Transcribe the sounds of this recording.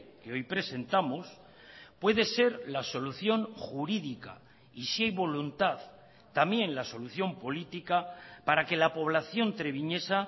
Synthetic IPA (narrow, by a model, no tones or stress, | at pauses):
ke̞o̞jpɾe̞se̞nt̪amos | pwe̞ðe̞se̞ɾlaso̞luθjo̞ŋxuɾiðika̰ | isiajβo̞lunt̪að | t̪amje̞nlaso̞luθjo̞mpo̞lit̪ikapaɾake̞lapo̞β̞laθjo̞nt̪ɾe̞β̞iɲe̞sa